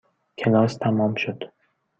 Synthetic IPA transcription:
kʲʰɪnɒst̪ʰamɒmʃʊd̪̥

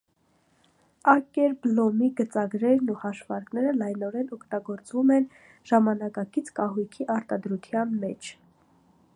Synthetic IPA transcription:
ɑkɛɾblɔmiɡət͡sɑɡɾɛɾnuhɑʃvɑɾknɛɾəlɑjnɔɾɛnɔkʰt̪ɑɡɔɾt͡svumɛn | ʒ̥ɑmɑnɑkɑkit͡sʰkɑɦujkʰiʔɑɾt̪ɑd̪ɾut̪ʰjɑnmɛt͡ʃʰ

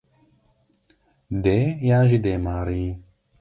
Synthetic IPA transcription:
d̪ejaːʒid̪eːmaːɾi

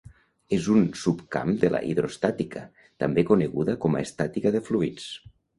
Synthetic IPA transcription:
ezunsupka̰md̪elʔa̰ʔiðɾost̪at̪ika | t̪ambekoneɣuðəkɔma̰est̪at̪ikaðefluit͡s

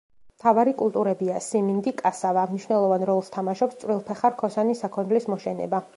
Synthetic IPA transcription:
mt̪ʰavaɾikʼulˠt̪ʼuɾɛbiasimind̪ikʼasavamniʃwnɛlˠɔvanɾɔlˠst̪ʰamaʃɔpst̪sʼwɾilˠpʰɛχaɾkʰɔsanisakʰɔnd̪lismɔʃɛnɛ̰ba

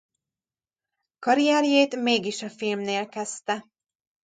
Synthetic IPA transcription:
kɒɾiaːɾjeːt̪meːɡiʃɒfilmneːlkɛst̪ɛ

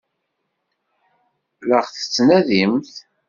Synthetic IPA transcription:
ləʁθə̥t͡sːnæðimθ

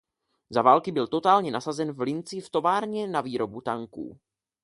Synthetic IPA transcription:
zavaːlkɪbɪlt̪o̞t̪aːlɲɛnasazɛnvlɪnt͡sɪft̪o̞vaːɾɲɛnaviːɾo̞but̪aŋkṵː

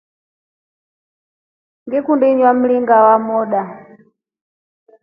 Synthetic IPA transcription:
ŋɡɛkundɛɲwam̩liŋɡawamɔɗa

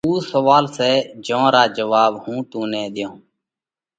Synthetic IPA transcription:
uːsəʋaːlseːd͡ʒõːɾaːd͡ʒəʋaːɓhũːt̪ũːnɛ̃ːd̪ɪjõː

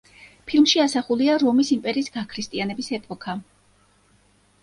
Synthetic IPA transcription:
pʰilˠmʃiasaχuliaɾɔmisimpʼɛɾiːsɡakʰɾist̪ʼianɛbisɛpʼɔkʰa

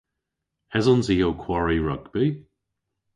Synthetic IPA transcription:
hɛzɔnziokʰwɔɹiɹʌɡb̥i

